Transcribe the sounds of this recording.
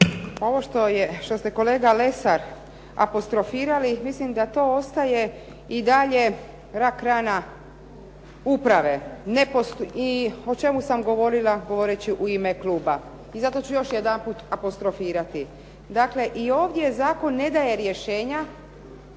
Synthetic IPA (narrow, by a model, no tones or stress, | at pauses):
o̞ʋo̞ʃt̪ojeʃt̪o̞st̪eko̞le̞ːɡale̞saɾ | a̰po̞st̪ɾo̞fiːɾalimislimd̪at̪o̞ːost̪aje̞ | id̪aʎe̞ | ɾakɾana | upɾaʋe̞nepost̪io̞t͡ʃe̞musamɡo̞ʋo̞ɾilaɡo̞ʋoɾet͡ɕiʔuimekluːba | izat̪o̞t͡ɕujo̞ʃjed̪ampuːt̪apost̪ɾo̞fiːɾat̪i | d̪akle̞ʔio̞ːʋd̪jezaːko̞nːe̞d̪aje̞ɾje̞ʃeːɲa